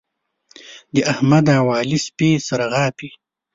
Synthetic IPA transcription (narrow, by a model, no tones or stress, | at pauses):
d̪əʔahmad̪aːwɑːlispeːsaɾaɣɑːpi